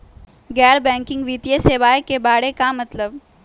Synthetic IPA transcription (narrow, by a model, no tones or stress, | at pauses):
ɡɛːɾbɛ̃ːŋkɪ̃ŋɡʋiːt̪ijeseːʋaːjekebaːɽekamɐt̪ləb